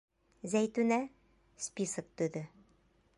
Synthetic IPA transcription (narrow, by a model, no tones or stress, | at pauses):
zæjt̪ʉnæ | spʲisɤk̚t̪ʉðɘ